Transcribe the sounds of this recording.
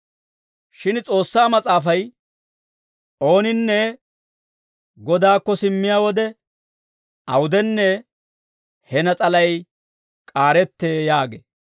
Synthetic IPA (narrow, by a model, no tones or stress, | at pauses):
ʃɪnt͡sʼo̞ːsːaːmɐt͡sʼaːfɐj | ʔo̞ːnɪnːɛ | ɡɔd̪aːkːɔsɪmːɪjaːwɔd̪ɛ | ʔɐwʊd̪ɛnːɛ | hɛnɐt͡sʼɐlɐj | kʼaːɾɛt̪ːeːjaːɡḛː